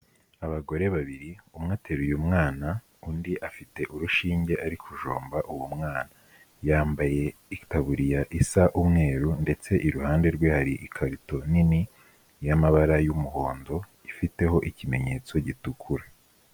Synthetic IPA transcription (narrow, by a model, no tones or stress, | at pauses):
aβaɡo̞ɾe̞βaβiɾiumŋaːteɾujumŋaːna | undiʔafite̞ʔuɾuʃiːɲɟe̞ʔaɾikʰuʒo̰ːmbaʔuwumŋaːna | jaːmbaje̞itaβuɾijaʔisaʔumŋe̞ːɾunde̞t͡se̞ʔiɾuhaːnde̞ɾɡwehaɾiʔikʰaɾito̞nini | jamaβaɾajumuho̞ːndo̞ | ifite̞ho̞ʔicime̞ɲe̞t͡so̞ɟitukʰuɾa